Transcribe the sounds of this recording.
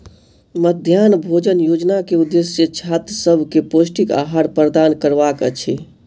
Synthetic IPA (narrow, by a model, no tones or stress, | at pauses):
məd̪ʱjanbʱod͡ʒənjod͡ʒnakeud̪ːesjət͡ʃʰat̪ɾsəbʱkeposʈika̰ɦaɾpɾəd̪ankəɾbakət͡ʃʰi